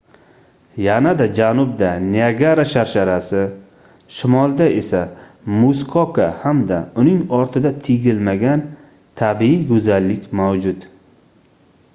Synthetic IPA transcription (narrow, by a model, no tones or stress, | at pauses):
janad̪ad͡ʒanʊb̚d̪aniaɡaɾaʃaɾʃaɾasɪ | ʃɪmɒlˠd̪ae̞samʊskʰɒkʰahamd̪aʊnɪŋɒɾt̪ʰɪd̪at̪ʰɪɡʲɪlmaɡʲan | t̪ʰabiiɡɵzalːɪkʲmawd͡ʒʊd̪